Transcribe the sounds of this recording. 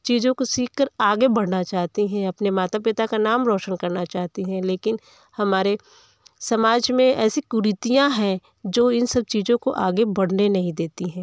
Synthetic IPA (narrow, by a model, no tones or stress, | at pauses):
t͡ʃiːd͡ʒõkosiːkʰkəɾaːɡebɐɽ̤nat͡ʃaːɦt̪iɦɛ̃ɐpnemaːt̪apɪt̪akanaːmɾɔːʃənkɐɾnat͡ʃaːɦt̪iɦɛ̃leːkɪn | hɐmaːɾe | sɐmaːd͡ʒmẽɛːsikʊɾɪt̪ijãɦɛ̃ | d͡ʒoːɪnsɐb̚t͡ʃiːd͡ʒõko̰ʔaːɡebɐɽ̤nenɐɦĩd̪eːt̪iɦɛ̃ː